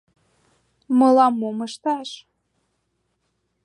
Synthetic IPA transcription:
mɤlɑmːoməʃt̪ɑʃ

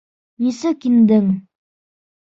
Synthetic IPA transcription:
jisɘkind̪ɘŋ

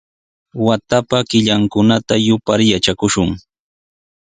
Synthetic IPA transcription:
wat̪apakɪʎaŋkʊnat̪ajʊpaɾjat͡ʃakʊʃʊŋ

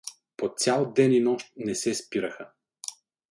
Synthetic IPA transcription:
posʲjalˠd̪ɛninɔʃt̪̚nɛsɛspiɾəxə

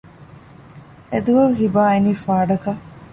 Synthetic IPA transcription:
ed̪uʋɐɦibaːeniːfaːɖɐkɐ

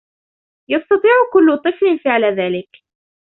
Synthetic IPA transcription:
jɑst̪ɑt̪ˤiːʕʊkʊlːʊt̪ˤɨflɪnfɪʕlaðaːlɪk

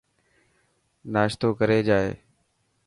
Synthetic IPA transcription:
naːʃt̪oːkəɾeːd͡ʒaːḛː

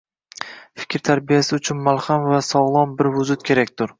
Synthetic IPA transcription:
fɪ̥kʲʰɾt̪ʰaɾbijasɪʊt͡ʃʰʊnmalˠχamvasɒʁlˠɒmbɪɾvʊzʊt̪̚kʲʰe̞ɾakʲt̪ʰʊɾ

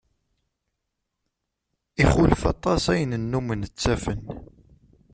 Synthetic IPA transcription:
iχʊləfɑ̰t̪ˤɑsæjənənːumənət͡sːæfən

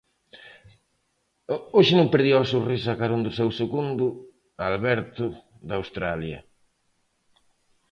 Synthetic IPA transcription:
oʃɪnõmpeɾðiwɐsurisɐkaɾund̪ʊsɛwseɣund̪ʊ | alβɛɾt̪ʊ | ðawst̪ɾaljɐ̰

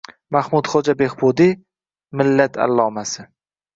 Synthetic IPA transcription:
mahmʊd̪χod͡ʒabehbod̪i | mɪlːat̪ʰa̰lːɒːmasɪ

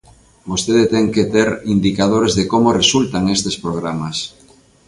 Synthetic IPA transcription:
bost̪eðet̪ɛŋket̪eɾind̪ikað̞oɾezðekomoresult̪aŋest̪espɾoɣɾamas

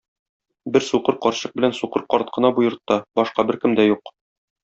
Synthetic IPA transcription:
bɘɾsuqɤɾqɒɾɕɤq̚bɘ̆lænsuqɤɾqɒɾt̪̚qʰɤ̆nɑbujɤ̆ɾt̪ːɑbɒʃqɑbɘɾkɘ̆md̪æjuq

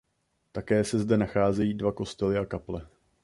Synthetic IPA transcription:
t̪akɛːsɛzdɛnaxaːzɛjiːdvako̞st̪ɛlɪakaplɛ

